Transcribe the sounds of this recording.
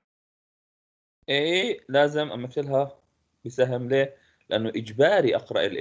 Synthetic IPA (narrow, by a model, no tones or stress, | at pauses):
ʔeːlaːzɪmʔamaft̪ːalɦa | bɪsaɦɪmleː | lɪʔanːʊʔɪd͡ʒbaːɾiʔɑqɾˤɑ̰ʔɪlʔ